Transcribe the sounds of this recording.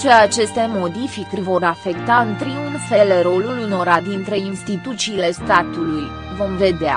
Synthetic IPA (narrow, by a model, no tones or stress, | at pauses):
t͡ʃe̞at͡ʃe̞st̪e̞mo̞d̪ifikrʲvo̞ɾafe̞kt̪aɨnt̪ɾiunfe̞leɾo̞luluno̞ɾad̪int̪ɾe̞inst̪it̪ut̪siːle̞st̪at̪uluj | vo̞mve̞d̪ea̰